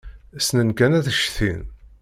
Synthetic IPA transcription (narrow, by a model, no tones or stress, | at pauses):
snənkænæθəʃθḭn